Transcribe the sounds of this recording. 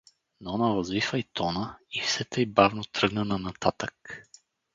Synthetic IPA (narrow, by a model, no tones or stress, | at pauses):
nɔnavɐzvifəit̪ɔnəifsɛt̪ɛjibavnot̪ɾɤɡnənɐnat̪at̪ək